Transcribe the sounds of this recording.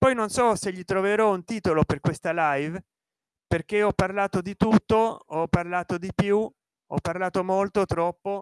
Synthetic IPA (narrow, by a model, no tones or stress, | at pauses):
pɔjnonsɔseʎːit̪ɾoveɾɔunt̪iːt̪oloperkwest̪alajv | perk̟eɔpːarlaːt̪od̪it̪ut̪ːoɔpːarlaːt̪od̪ipju | ɔ̰pːarlaːt̪omolt̪ot̪ɾɔpːo